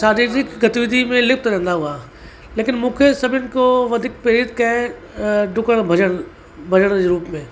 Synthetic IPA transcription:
saːɾiːd͡ʑikɡɐt̪iʋɪd̪ʱimẽlɪk̚t̪ɾɛ̃ːnd̪aɦʊaː | leːkɪnmũːkʰesɐbʱɪnɪ̆koʋɐd̪ʱɪk̚peːɾit̪kɐẽ | ɖʊkəɽ̃bʱɐd͡ʑəɽ̃ | bʱɐd͡ʑəɽ̃d͡ʑeɾuːpmẽː

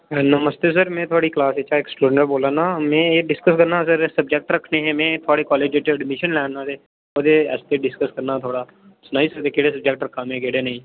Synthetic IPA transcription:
nəməst̪eːsəɾmɛ̃ːt̪ʰoaːɽiːklaːseːt͡ʃaːekskluːɾnəɾboːlaːnaːmɛ̃ːeɖɪskəskəɾnaːsəɾsəb̚d͡ʒeːk̚ʈɾəkʰneːɦɛ̃ːmẽːt̪ʰoaːɽeːkɔːleːd͡ʒeʈəɖmɪʃənlɛːnnãːt̪eː | oːd̪eːɛst̪eːɖɪskəskəɾnaːt̪ʰoːɽaː | sʊnaːiːsəkd̪eːkeːɽeːsəb̚d͡ʒeːk̚ʈɾəkʰːaːmẽːkeːɽeːnəĩː

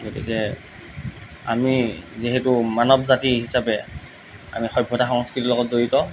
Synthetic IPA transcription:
ɡotḭkɛ | a̰miziɦɛtumanɔbzatiɦisapɛ | a̰mixɔjbʱːɔtʰaxɔŋɔskɹitilɔɡɔtzoɹitɔ

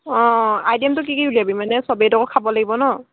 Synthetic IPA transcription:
ɔ̃ajdiɛmtʊk̬ikiuliabimanɛsɔbɛjdɔkɔkʰːabɔlaɡibɔnɔ

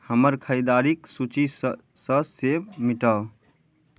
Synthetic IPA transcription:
həməɾkʰəɾid̪aɾiksut͡ʃi | səsebmiʈəl

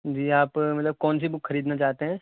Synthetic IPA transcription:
d͡ʒiːaːpmɐt̪ləb̚kɔːnsibʊkʰːɐɾiːd̪nat͡ʃaːɦt̪eɦɛ̃ː

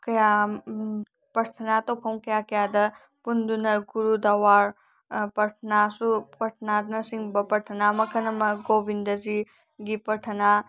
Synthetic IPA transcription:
kɐja | pɐʈʰɐnaːt̪opʰɐwkjakjaːd̪ɐ | pund̪unɐɡuɾud̪ɐʋaːɾ | pɐʈʰnaːsupɐʈʰnaːt̪nɐsiŋɡbɐpəʈʰɐnaːmɐkɐnɐmɐɡoːʋind̪ɐzi | ɡipəʈʰɐna

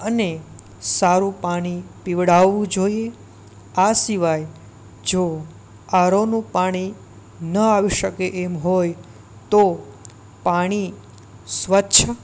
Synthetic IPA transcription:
əne | saɾũpaɽ̃ipiʋɽaʋːũd͡ʒoie | asiʋaj | d͡ʒo | aɾonũpaɽ̃i | nəaʋiʃəkeʔɛmɦoj | t̪o | paɽ̃i | sʋətːʃʰ

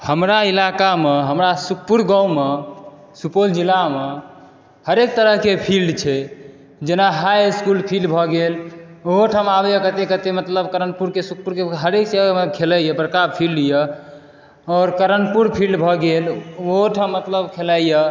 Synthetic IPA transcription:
həmɾailakameɦəmɾasuk̚ʰpuɾɡɔwme | supold͡ʒilːame | həɾek̚t̪əɾəɦkepʰilɖt͡ʃʰɛ | d͡ʒenaɦajskulpʰilɖbʱɔɡeloɦoʈʰəmabjəkət̪ekət̪emət̪ləbkəɾənpuɾkesuk̚ʰpuɾkeɦəɾeksemekʰeləjjəbəɾkabpʰilɖijə | ɔɾkəɾənpuɾpʰilɖbʱɔɡeloɦoʈʰəmːət̪ləbkʰeləjə

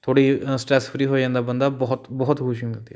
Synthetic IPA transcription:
t̪ʰoːɽiːsʈɾɛsfɾiːɦoːd͡ʒãːnd̪aːbənd̪aːbɔɦt̪bɔːʊt̪kʰʊʃimɪld̪iɛ

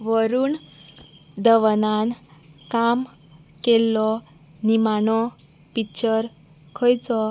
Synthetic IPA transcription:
ʋəɾuːn | d̪əʋənankam | kelːɔ | nimaɳɔ | pit͡ɕəɾ | kʰəjt͡sɔ

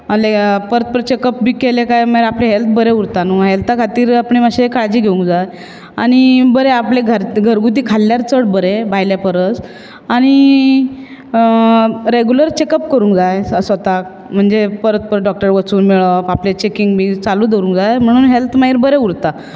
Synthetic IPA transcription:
əlepəɾət̪̚pəɾt͡ɕekəpbiːkelekajmajɾapleɦelt̪̚ʰbəɾeuɾt̪anuːɦelt̪akʰat̪iːɾapɳimaɕekaɭd͡ʑiːɡʱeũŋkd͡zae | aɽ̃ibəɾeapleɡʱəɾɡʱəɾɡut̪̬iːkʰalːjaɾt͡səɽbəɾebʱajljapəɾət͡s | aɽ̃i | ɾeɡjuləɾt͡ɕekəp̚kəɾũːŋkd͡zajsʋət̪ak | m̤əɳd͡zepəɾət̪̚pəɾɖɔk̚ʈəɾʋət͡suːnmiɭəpaplet͡ɕekiŋɡbiːt͡saluːd̪ʱəɾũːŋkd͡zajm̤əɽ̃uːnɦelt̪ʰmaɦiːɾbəɾeuɾt̪a

